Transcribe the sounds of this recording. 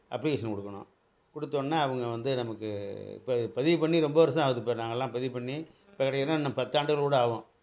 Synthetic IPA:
ʔɐpːɭɪkeːʂɐnkɔɽɯkːɐɳʊ̰̃ | kɔɽɯt̪ːoːnːaːɐʋɐŋɡɐʋɐnd̪ɯnɐmɐkːɯ̰pːɯpɐðɪʋpɐɳːiɾɔmbɐʋɐɾɐs̬ɐ̃aːʋɐðɯpːeːɾnaːŋɡɐɛlːãːpɐðɪʋpɐɳːi | ɪpːɐːkɪɽɐjɐlːãːnamːɐpɐt̪ːaːɳɖɯɣɐɭkuːɽɐaːʋõː

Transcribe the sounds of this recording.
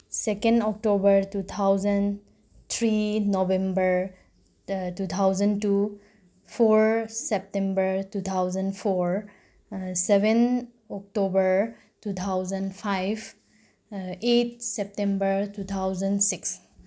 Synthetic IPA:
sekẽndɔk̚ʈobəɾtut̪ʰawzən | t̪ʰɾinobẽmbəɾ | tut̪ʰawzə̃ntu | fɔɾsɛp̚tẽmbəɾtut̪ʰawzənpʰɔɾ | sɛbẽn | ɔk̚tobəɾ | tut̪ʰawzə̃npʰajb | et̚ʰsɛp̚tẽmbəɹtut̪ʰawzənsiks

